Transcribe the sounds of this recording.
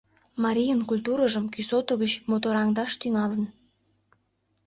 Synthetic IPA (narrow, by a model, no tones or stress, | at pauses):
mɑɾʲijənkulʲt̪uɾəʒəmkysot̪ə̆ɣət͡ɕmot̪oɾɑŋd̪ɑʃt̪yŋɑlən